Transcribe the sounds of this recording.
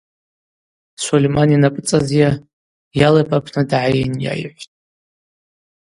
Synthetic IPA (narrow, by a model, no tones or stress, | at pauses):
solʲemaninapʼɨt͡sʼazja | jalajpʼapʰnadaʕajenja̰jħʷtʼ